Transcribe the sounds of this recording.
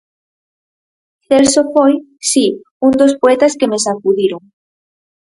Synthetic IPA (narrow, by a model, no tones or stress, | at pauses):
θelsofoj | si | und̪ospoet̪askemesakuðiɾoŋ